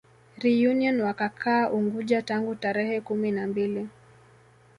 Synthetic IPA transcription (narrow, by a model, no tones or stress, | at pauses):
ɾijuniɔnwakakʰaːʔuŋɡuʄataŋɡutaɾɛhɛkuminambili